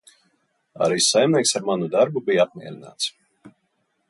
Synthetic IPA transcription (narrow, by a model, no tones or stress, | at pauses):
a̰ɾiːsajmniɛksaɾmanud̪aɾbubijap̚mʲiɛɾina̰ːt̪s